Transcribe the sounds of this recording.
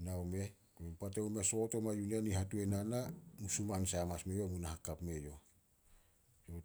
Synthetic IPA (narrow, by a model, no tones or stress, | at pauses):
nawme̞ | oempateume̞so̞to̞majunenihatue̞nanamusumansamasmejo̞munahakapme̞jo̞ | jo